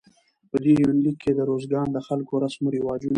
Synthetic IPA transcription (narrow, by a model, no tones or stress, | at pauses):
pəd̪ejnlikʰːed̪əɾozɡɑnd̪əxalkoɾasmoɾɪwɑd͡ʒun